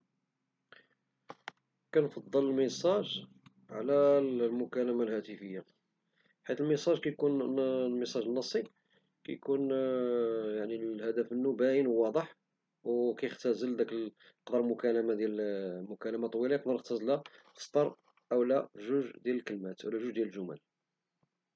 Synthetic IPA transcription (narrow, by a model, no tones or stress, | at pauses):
kænfɑd̪ˤːələlməsˤɑʒ | ʕlælmʊkæləmalhæt̪əfəjːa | ħit̪əlməsˤɑʒkæjkunlməsˤɑʒənːɑsˤːi | kæ̰jkun | jaʕnilhæd̪æfənːubæjənwwɑd̪ˤəħ | wkæjəxt̪æzəld̪æk | əqd̪əɾˤlmʊkæləmad̪jælmʊkæləmat̪ˤwilɑjəqd̪əɾnəxt̪æzlæ̥ | st̪ˤɑɾˤ | ʔəwlæʒuʒd̪jæləlkəlmæt̪ʔə̰wlæʒuʒd̪jæləlʒʊmæ̰l